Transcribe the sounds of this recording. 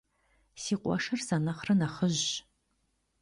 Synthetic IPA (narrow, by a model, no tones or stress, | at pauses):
siːqʷʼɔ̰ʂɐrsɐnɐχrɐnɐχəʑ